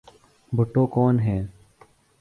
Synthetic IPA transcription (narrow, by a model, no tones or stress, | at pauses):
bʱʊʈːoːkɔːnɦɛː